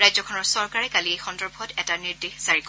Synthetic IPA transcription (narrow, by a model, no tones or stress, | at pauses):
ɹajzɔkʰɔnɔɹsɔɹkaɹɛkaliejxɔndɔɹbʱɔtɛtaniɹdexsaɹik